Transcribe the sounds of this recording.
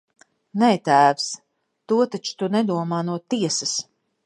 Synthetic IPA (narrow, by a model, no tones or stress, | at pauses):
nɛt̪æːvs | t̪uɔt̪at͡ʃu̥t̪unɛd̪uɔmaːnuɔt̪iɛsas